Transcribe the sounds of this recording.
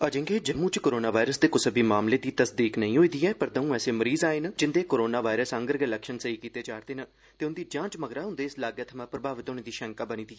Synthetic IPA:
əd͡ʒɪ̃ŋɡeːd͡ʒəmũːt͡ʃkoːɾoːnaːʋaːɪɾəsd̪eːkʊsəbiːmaːmleːd̪iːt̪əsd̪iːknəĩːɦoːiːd̪iːɛːpəɾd̪əũːɛːseːməɾiːzaːeːnd͡ʒɪnd̪eːkoːɾoːnaːʋaːɪɾəsə̃ŋɡəɾɡelɛːkʃənsəiːkiːt̪eːd͡ʒaːɾd̪eːnə | t̪eːʊnd̪iːd͡ʒãːt͡ʃməɡɾaːɦʊnd̪eːslaːɡjat̪ʰəmãːpɾəbʱaːʋɪt̪oːneːd̪iːʃɛ̃ŋkaːbənĩːd̪iːɛː

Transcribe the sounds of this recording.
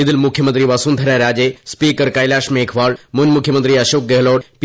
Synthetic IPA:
id̪ilmukʰjəmənt̪ɾiːʋasuːnd̪ʱɐɾaɾaːd͡ʑespiːkəɾkajlaːʃmeːkʰʋaːɭmunmukʰjəmənt̪ɾiːɐʃoːk̚ɡeɦloːɽp

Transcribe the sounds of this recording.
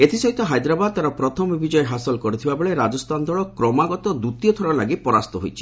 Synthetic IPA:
et̪ʰisɔɦit̪ɔɦajd̪ɾabad̪̚t̪aɾɔpɾɔt̪ʰɔmibid͡ʒɔjeɦasɔlkɔɾit̪ʰibabeɭeɾad͡ʒɔst̪and̪ʱɔɭɔkɾɔmaɡɔt̪ɔd̪ut̪ijɔt̪ʰɔɽalaɡipɔɾast̪ɔɦo̰jt͡ʃʰi̥

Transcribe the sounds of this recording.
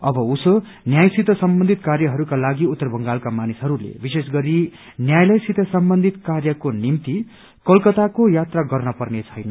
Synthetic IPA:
ʌbʌuso | njajsit̪ʌsʌmbʌnd̪ʱit̪karjʌɦʌɾukalaɡiut̪ːʌrbʱʌŋɡalkamanisɦʌɾulḛbisesɡʌɾi | njajlʌjsit̪ʌsʌmbʌnd̪ʱit̪karjʌkonimt̪i | kʌlkʌt̪akojat̪raɡʌrnʌpʌrnet͡sʰʌjnʌ

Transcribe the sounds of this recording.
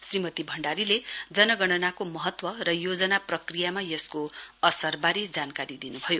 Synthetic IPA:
srimʌt̪ibʱʌɳɖaɾiled͡zʌnʌɡʌɽ̃ʌnakomʌɦʌt̪wʌrʌjod͡zʌnaprʌkrijamajʌskoʌsʌrbaɾed͡zankaɾid̪inubʱʌjo

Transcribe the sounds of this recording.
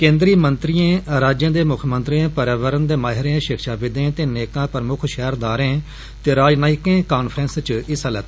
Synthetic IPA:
kẽːnd̪ɾiːmənt̪ɾijẽːɾaːd͡ʒjãːd̪eːmʊkʰmə̃nt̪ɾijãːpəɾaːʋəɾənd̪eːmaːɦɪɾẽʃɪkʰʃaːʋɪd̪ẽːt̪eːneːkãːpəɾəmʊkʰʃɛːɾd̪aːɾẽː | t̪eːɾaːd͡ʒnaːɪkẽːkaːnpʰɾɛ̃ːnst͡ʃɪsələt̪ː

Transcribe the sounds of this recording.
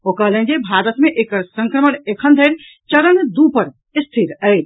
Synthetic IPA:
okalə̃nd͡ʒebʱaɾət̪meʔekəɾsə̃ŋkɾəməɳekʰənd̪ʱeɾ | t͡ʃɐɾənd̪upəɾ | ɪst̪ʰiɾəj

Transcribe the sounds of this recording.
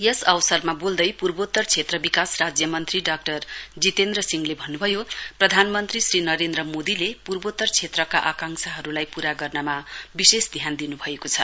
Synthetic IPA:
jʌsʌwsʌrmabold̪ʌjpurbot̪ːʌrt͡sʰet̪rʌbikasrad͡zjʌmʌnt̪riɖak̚ʈʌrd͡zit̪end̪rʌsiŋlebʱʌnːubʱʌjoprʌd̪ʱanmʌnt̪risrinʌɾend̪rʌmod̪ilepurbot̪ːʌrt͡sʰet̪rʌkaʔakaŋsaɦʌɾulajpuɾaɡʌrnʌmabisesd̪ʱjand̪inubʱʌekot͡sʰʌ

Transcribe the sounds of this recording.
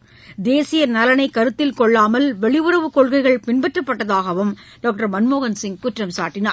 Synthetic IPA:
d̪eːsɪjɐnɐlɐnɐɪkːɐɾɯt̪ːɪlkɔɭːaːmɐlʋɛɭɪʋɯɾɐʋɯkɔɭɣɐɪɣɐɭpɪnbɛʈrɐpːɐʈːɐðaːɣɐʋɯm | ɖoːk̚ʈɐɾmɐnmoːɣɐnsɪŋkʊʈrɐmsaːʈːɪnaː

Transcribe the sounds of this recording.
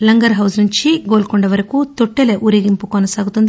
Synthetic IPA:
lɐŋɡɐɾɦɐwsnuɲt͡ʃiɡoːlkoɳɖɐʋɐɾɐkut̪oʈːeleʔuɾeɡimpukɐnɐsaːɡut̪und̪

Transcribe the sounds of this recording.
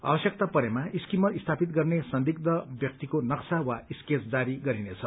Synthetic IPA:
a̰bʌsjʌk̚t̪apʌɾemaiskimʌt̪ist̪ʰapit̪ɡʌrnesʌnd̪ik̚d̪ʌbjʌk̚t̪ikonʌksawaisket͡sd͡z̪aɾiɡʌɾinet͡sʰʌ

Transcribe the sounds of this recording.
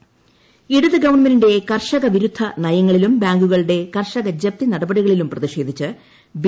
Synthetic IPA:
iɽuðɨɡɐʋɐnmeninde̞kɐrʂɐɣɐʋiɾud̪ʱːɐnɐjɐŋːɐɭilumbaːŋɡuɣɐɭuɽe̞kɐrʂɐɣɐd͡ʑɐp̚t̪inɐɽɐbɐɽiɣɐɭilumprɐðiɕe̞ːd̪ʱit͡ɕːɨ | b

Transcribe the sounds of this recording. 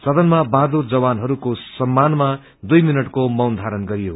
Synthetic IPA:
sʌd̪ʱʌnmabad̪urd͡zʌbanɦʌɾukosʌmːanma | d̪ujminʌʈkomʌwnd̪ʱaɾʌnɡʌɾijo

